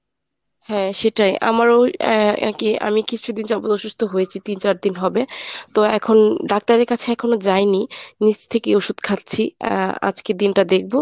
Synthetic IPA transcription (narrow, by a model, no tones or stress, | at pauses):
hɛ̃ʃeʈajʔa̰maɾoɛ̰kia̰mikit͡ɕːʰud̪ind͡ʑɔbot̪oʃust̪ʰoɦojet͡ɕʰit̪int͡ɕaɾd̪inɦɔbet̪oɛkʰonɖak̚t̪aɾeɾkat͡ɕʰeɛkʰonod͡ʑajninit͡ɕt̪ʰekeoʃud̪kʰat̪ːt͡ɕʰia̰d͡ʑked̪inʈad̪ek̚ʰbo